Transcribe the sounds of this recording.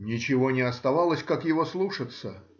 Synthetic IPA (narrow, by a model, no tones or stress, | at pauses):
nʲɪt͡ɕɪvonʲɪɐst̪ɐvalˠəsʲkakjɪvoslˠuʂət̪sə